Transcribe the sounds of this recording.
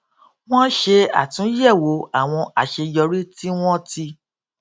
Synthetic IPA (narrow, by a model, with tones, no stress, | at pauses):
w̃ɔ̃˦ʃe˧a̰˨tũ˨˦jɛ˦˨wo˨˦a˨w̃ɔ̃˧a˨ʃe˧jɔ˧ɾi˦ti˦w̃ɔ̃˦ti˧